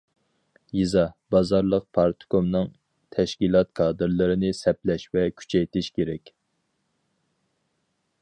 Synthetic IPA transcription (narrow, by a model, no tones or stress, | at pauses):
jizɑbɑzɑɾlˠəq̚pʰɑɾt̪ʰɨ̥komnɨŋ | t̪ʰɛʃkʲilˠɑt̪kʰɑːd̪ɨɾlˠɨɾɪnɪsɛplɛʃvɛkʲʰy̥t͡ʃʰɛjt̪ɪʃkʲʰeɾɛkʲ